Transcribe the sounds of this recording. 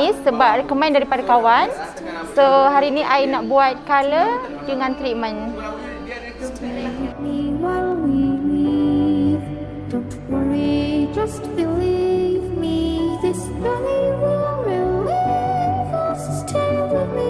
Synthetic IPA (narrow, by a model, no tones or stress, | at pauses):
isːəbapkəmãndaɾipadakawan | soɦaɾiːnĩʔajnaʔbuat̪̚kalədəŋãnt̪ɾit̚mə̃n | limiwawili | v | do | blid͡ʒʌst̚bilivmiðɪsbɛniwɛlwil | fəstʰɛɪmi